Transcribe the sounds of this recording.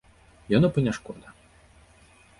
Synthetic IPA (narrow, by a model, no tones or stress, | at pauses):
janɔpɐnʲaʂkɔd̪ɐ